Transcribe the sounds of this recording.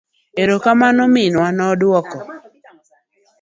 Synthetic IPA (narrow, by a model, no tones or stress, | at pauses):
eɾokamanɔmɪnwanɔdwɔkɔ